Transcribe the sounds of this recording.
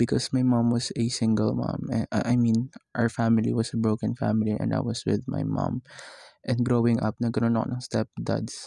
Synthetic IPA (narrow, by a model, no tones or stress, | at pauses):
bɪkɔsmajmãmwɔsɛsɪ̃ŋɡəlmɑ̰̃mʔajmĩnʔaəɹfæmɪlḭwʌsɐbɹoʊkɐ̃nfæ̰mɪliʔɛ̰̃nd̪a̰jwʌswɪðma̰jmʌ̰̃mʔɛ̃nd̪ɡɹowɪ̃ŋʔʌ̰p̚nɐɡɐnonɐko̰nɐŋst̪ɛp̚d̪a̰d̪s